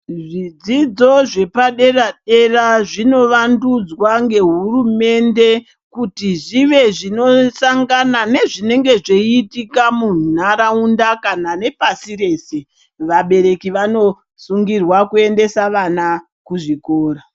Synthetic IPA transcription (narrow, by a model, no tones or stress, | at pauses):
ʐid͡zid͡zo̞ʐe̞paɗe̞raɗe̞raʐino̞ʋandud͡zwaŋɡe̞ɦurume̞nde̞ | kutiʐiʋe̞ʐino̞saŋɡanane̞ʐine̞ŋɡe̞ʐeitikamun̤aɾaundakanane̞pasire̞ːse | ʋaɓe̞ɾe̞kiʋano̞ | suŋɡirwakue̞nde̞saʋana | kuʐikoːɾa